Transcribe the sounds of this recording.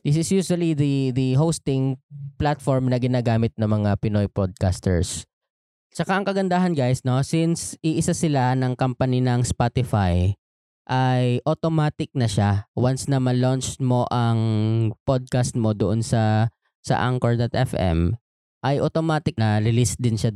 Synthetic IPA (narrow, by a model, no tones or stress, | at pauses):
d̪ɪsɪsjuːswɐliðiðɐɦowst̪ɪŋplat̪foɹmnɐɡɪnaːɡaːmɪt̪̚nɐŋmɐŋapɪnojpod̪̚kast̪ɛ̰ɹs | t͡ʃɐkaʔɐŋkɐɡɐnd̪aːɦɐnɡajsno̞sɪnsɪʔɪsasɪlanɐŋkɐmpɐninɐŋspat̪ɪfaj | ʔajʔot̪omaːt̪ɪk̚nɐʃawansnɐmɐlont͡ʃ̪mo̞ʔɐŋpod̪̚kast̪̚mod̪oʔonsɐ | sɐ̰ʔa̰ŋkoɹd̪ɐt̪ʔɛ̰fʔɛ̰m | ʔɐjʔot̪omaːt̪ɪk̚nɐlɪlɪst̪̚d̪ɪnʃa